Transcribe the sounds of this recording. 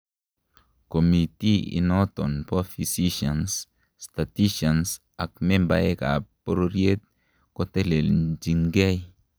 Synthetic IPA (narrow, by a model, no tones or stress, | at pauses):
komit̪iḭnot̪onpofisiʃans | st̪at̪iʃans | ak̚memba̰eka̰poɾoɾjet̪̚ | kot̪eleld͡ʒiŋɡej